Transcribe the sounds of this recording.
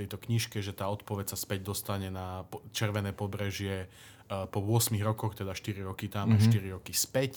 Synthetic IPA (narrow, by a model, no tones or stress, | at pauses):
ɛjt̪ɔkɲiʃkɛʒɛt̪aːɔt̪pɔʋɛcsaspɛɟd̪ɔst̪aɲɛnapt͡ʃɛɾʋɛnɛːpɔbɾɛʒɪɛ | pɔʋʊɔsmiɣɾɔkɔxt̪ɛd̪aʃt̪iɾiɾɔkit̪amaʃt̪iɾiɾɔkispɛc